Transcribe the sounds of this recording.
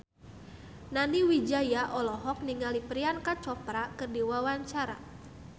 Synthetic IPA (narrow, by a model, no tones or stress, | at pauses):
naniwid͡ʒajaʔɔlɔɦɔk̚niŋalipɾiankat͡ʃɔpɾakɨrdiwawaɲt͡ʃaɾa̰